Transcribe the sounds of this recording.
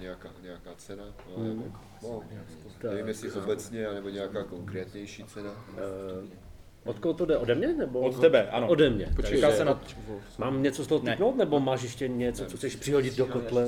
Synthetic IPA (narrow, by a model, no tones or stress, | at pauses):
ɲɛakaːɲɛakaːt͡sɛnam̩ | not̪ɛvimjɛsɪʔobɛt͡sɲɛanɛboɲɛakaːko̞ŋkɾɛːt̪ɲɛjʃiːt͡sɛna | ʔot̪koɦot̪odɛodɛmɲɛnɛboot̪t̪ɛbɛʔanoodɛmɲɛpokasɛnamaːmɲɛt͡sost̪oɦot̪iknowt̪̚nɛbomaːʃ̬jɛʃcɛɲɛt͡sot͡soxt͡sɛʃpr̥ɪɦo̞ɟɪd̪̚dokot̪lɛ